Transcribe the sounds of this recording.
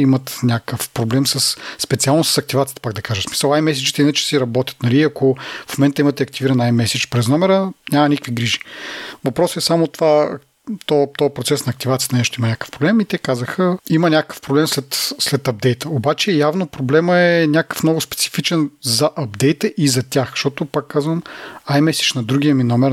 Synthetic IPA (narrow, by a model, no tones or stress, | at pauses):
imɐt̪nʲakəfpɾoblɛmsɐsspɛt̪sialˠnosɐ̥sɐk̚t̪ivat̪ijt̪əpaɡ̚d̪ɐkaʒəsmi̥səlˠajmɛs̬it͡ʃit̪ɛinət͡ʃɛ̥siɾɐbɔt̪ʲə̥t̪nɐliɐkʰofomɛnt̪əimɐt̪ɛɐkt̪iviɾɐnajmɛsɛt͡ʃpɾɛznɔmɛɾənʲamɐnikəkviɡɾiʒi̥vɐpɾɔsɛsamot̪ova | t̪ɔt̪ɔjpɾot̪sɛsnɐːk̚t̪ivat̪sijət̪ɐnɛʃt̪ʊimɐnʲakə̥fpɾoblɛmit̪ɛkazəxəimənʲakə̥fpɾoblɛmslɛt̪slɛt̪ɐb̚d̪ɛjt̪əobat͡ʃɛjavnopɾoblɛməɛnʲakə̥fmnɔɡʊspɛ̥t̪si̥fit͡ʃɛnzɐʔɐb̚d̪ɛjt̪əʔizɐt̪ʲaxʃt̪ɔt̪ʊpakːazvɐmajmɛsi̥t͡ʃnɐd̪ɾuɡʲiəminɔmɛɾ